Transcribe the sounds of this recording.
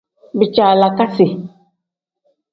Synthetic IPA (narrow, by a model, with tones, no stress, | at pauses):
bɪ˨t͡ʃaː˨la˨ka˦sɪ˨